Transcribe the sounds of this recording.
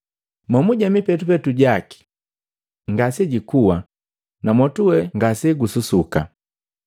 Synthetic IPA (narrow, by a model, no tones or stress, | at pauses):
mɔmuɟamipɛtupɛtuɟaki̥ | ŋɡasɛɟikuwa | namɔtuwɛŋɡasɛɡususuka̰